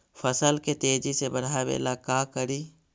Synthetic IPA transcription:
fʰəsəlket̪eːd͡ʒisebɐɽ̤aːbḛːlaːkaːkəɾiː

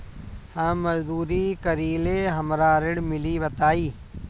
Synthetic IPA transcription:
hãːməzd̪uːɾiːkəɾiːleːɦəmɾaːɾɪɽmɪliːbət̪aːiː

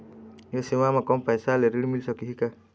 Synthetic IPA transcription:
jɔsimamakɔmpajsaleɾiɽmilsɔkiɦika

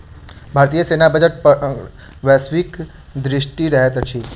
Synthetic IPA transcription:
bʱaɾt̪ijəsenabəd͡ʒəʈ̚p | ʋɛsʋik | d̪ɾɪʃʈiɾəɦet̪t͡ʃʰi

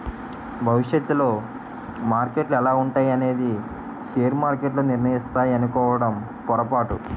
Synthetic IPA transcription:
bʱɐʋiʂjet̪ːulo̞ː | maːɾke̞ʈlɛlaːuɳʈaːjɐne̞ːd̪i | ʃeːɾmaːɾkeʈloːniɾɳɐjist̪aːjiɐnukɔːʋɐɽɐm | pɔɾɐpaːʈu

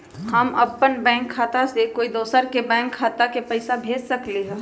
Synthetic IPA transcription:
həmɐpːənbɛ̃ːŋkʰːaːt̪asekoːid̪oːsəɾkebɛ̃ːŋkʰːaːt̪akepɛɪsabʱeːd͡ʒsɐkleɦɛ̃ː

